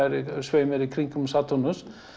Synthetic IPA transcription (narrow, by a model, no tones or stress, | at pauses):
ɛɾsveːjmɛɾikʰɾiŋkʏmsat̪ʰɔnʊs